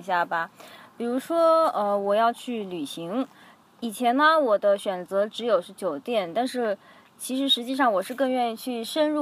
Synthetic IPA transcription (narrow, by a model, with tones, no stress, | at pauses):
ɕja˥˩bɐ˩pi˨˩ɻu˧˥ʂwɔ˥ə˥˧wɔ˨˩jɑ˥˧ʊt͡ɕʰy˥˩ly˨˩ɕi˧˥ŋ | i˨˩t͡ɕʰjɛ˧˥nːə˧wɔ˨˩d̪ə˦ɕɥɛ˨˩nt͡sɤ˧˥ʈ͡ʂɻ̩˧˥jo˨˩ʊʂɻ̩˥˩t͡ɕjo˨˩ʊt̪jɛ˥˩nt̪a˥˧nʂɻ̩˥˩ | t͡ɕʰi˧˥ʂɻ̩˧˥ʂɻ̩˧˥t͡ɕi˥˧ʂɑ˥˩ŋwɔ˨˩ʂɻ̩˥˧kɤ˥˧ŋɥɛ˥˧ni˥˧t͡ɕʰy˥˩ʂə˥nɻu˥˩